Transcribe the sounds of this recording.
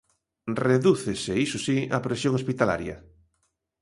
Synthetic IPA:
reðuθeseisusiapɾesjoŋospit̪ala̰ɾjɐ̰

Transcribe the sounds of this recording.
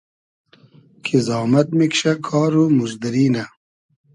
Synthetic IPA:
kʰizɑːmɐt̪̚mikʃɐkʰɑːɾumuʒd̪ɐɾiːna

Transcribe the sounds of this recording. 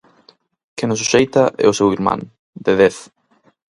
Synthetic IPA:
kenʊs̬uʃejt̪aʔɛ̰ʊsewiɾmã̰ŋ | d̪eðeθ

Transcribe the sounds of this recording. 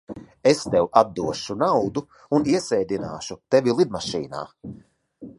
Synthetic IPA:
est̪ɛwad̪ːuɔʃunawd̪u | uniɛsɛjd̪ina̰ːʃut̪evʲilˠid̪̚maʃḭːna̰ː

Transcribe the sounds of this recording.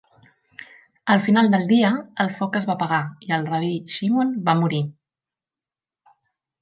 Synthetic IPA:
əlˠfinalˠd̪əlˠd̪iəəlˠfɔkəzβapəɣaiəlˠrəβiʃimonbamuɾi

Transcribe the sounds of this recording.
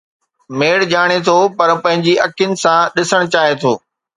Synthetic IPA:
meːɽd͡ʑaːɽ̃et̪ʰopɐɾpɐ̃ɦɪ̃ɲd͡ʑiʔɐkjʊnɪ̆sãɗɪsəɽ̃t͡ɕaːɦet̪ʰo̰ː

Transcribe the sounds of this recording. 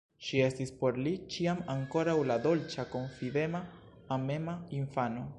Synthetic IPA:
ʃie̞stispo̞ɾlit͡ʃiamaŋko̞ɾawlad̪o̞lt͡ʃako̞ɱfid̪e̞maː | me̞maiɱfano̞

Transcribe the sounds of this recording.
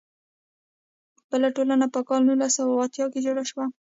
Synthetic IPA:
b̥əlaʈolanapəkɑlnulasawaɑt̪jɑked͡ʒoɽaʃwa

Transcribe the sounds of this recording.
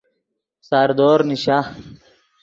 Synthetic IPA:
saɾd̪oːɾniɕaː

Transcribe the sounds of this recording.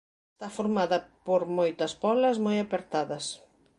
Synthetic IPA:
est̪afoɾmaðɐpoɾmojt̪ɐspɔlɐzmojapeɾt̪aðɐs

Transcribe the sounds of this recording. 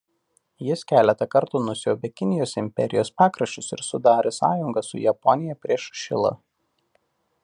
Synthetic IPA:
jɪskʲæːlʲɛt̪ɐkɐɾt̪unʊsʲoːbʲɛkʲɪnʲɪjoːsɪmʲpʲɛ̰ɾʲɪjoːspɑːkɾɐʃʲt͡ʃʲʊsɪ̰ɾsʊd̪ɑːɾʲesɑ̰ːjʊŋɡɐsʊ̰jɛpɔnʲɪjɛpʲɾʲiɛʃʃʲɪ̰lˠɐ̰

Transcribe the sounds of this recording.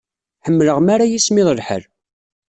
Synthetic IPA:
ħəmːləʁmaɾajismɪðˤəlħə̰l

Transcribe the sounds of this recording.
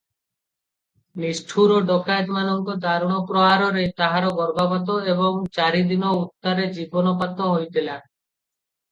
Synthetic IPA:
nisʈʰuɾɔɖokajt̪manɔŋkɔd̪aɾuɽ̃ɔpɾɔɦaɾɔɾet̪aɦaɾɔɡɔɾɡabat̪ɔeβɔŋt͡ʃaɾid̪inɔut̪ːaɾed͡ʒibɔnɔpat̪ɔɦojt̪ila

